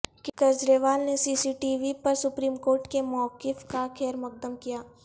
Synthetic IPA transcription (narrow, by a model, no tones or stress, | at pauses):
kikɐd͡ʒɾeːʋaːlnesiːsiːʈiːʋipɐɾsʊpɾiːmkoːɾʈkemɔːkːɪfkaxɛːɾmɐk̚d̪əmkijaː